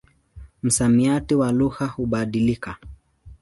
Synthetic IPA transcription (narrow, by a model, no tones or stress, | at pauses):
m̩samiatiwaluhahuɓaɗilika